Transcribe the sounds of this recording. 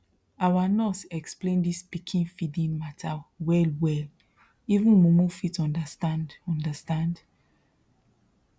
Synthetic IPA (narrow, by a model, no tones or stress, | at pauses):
awanɔsɛksplẽndispikʰĩnfidĩnmatʰawɛlwɛl | ivũnmumufitɔ̃ndastãndɔ̃ndəstãnd